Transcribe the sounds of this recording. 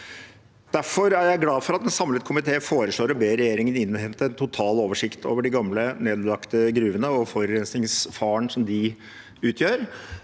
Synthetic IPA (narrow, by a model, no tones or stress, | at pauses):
d̪̥æɾfɔɾæɾjæɪɡlɑːfɔɾɑt̪̚d̪ɛnsɑmlət̪kʰʊmɪt̪ʰeːəfoːɾəʂloːɾəbeːɾɛjeːɾɪŋənɪnːhɛmt̪əɾɛnt̪ʰʊt̪ʰɑːloːʋəʂɪkt̪ʰoːʋəɖɪɡɑmləneːd̪lɑkt̪əɡɾʉːʋənəɔfɔɾʉɾɛnsnɪŋsfɑːəɳsɔmd̪ɪ | ʉːt̪ʰjøːɾ